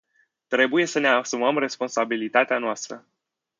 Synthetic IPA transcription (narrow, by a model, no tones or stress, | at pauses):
t̪ɾe̞buje̞səne̞asuməmre̞spo̞nsabilit̪at̪eanoast̪ɾə̰